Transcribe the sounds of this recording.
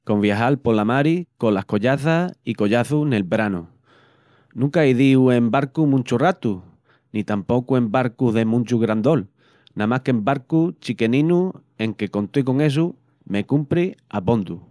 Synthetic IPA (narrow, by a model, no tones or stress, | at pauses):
ko̞mβjaɦalpo̞lamaɾiko̞lahko̞ʎaθasiko̞ʎaθune̞lbɾanu | nũŋkaiðiue̞mbaɾkumũnʲt͡ʃurat̪u | nit̪ampo̞kue̞mbaɾkuðe̞mũnt͡ʃuɣɾand̪o̞l | nãmahkembaɾkut͡ʃike̞nĩnu | ẽ̞ŋke̞ko̞nt̪wek̬o̞ŋe̞s̬u | me̞kumpɾiapond̪u